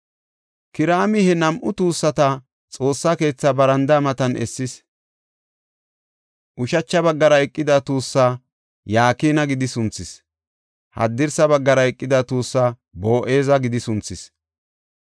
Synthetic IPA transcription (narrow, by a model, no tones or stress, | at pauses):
kɪɾaːmɪhɛnɐmʔʊt̪uːsːɐt̪ɐ | t͡sʼo̞ːsːake̞ːt͡sːɐbɐɾɐnd̪ɐmɐt̪ɐnɛ̰sːɪs | ʔʊʃɐt͡ʃːɐbɐɡːɐɾɐɛkʼːɪd̪ɐt̪uːsːaː | jaːkiːnɐɡɪd̪ɪsʊnt͡sːɪs | hɐ̰d̪ːɪɾsɐbɐɡːɐɾɐɛkʼːɪd̪ɐt̪uːsːa | bo̞ːʔe̞ːzɐɡɪd̪ɪsʊnt͡sːɪs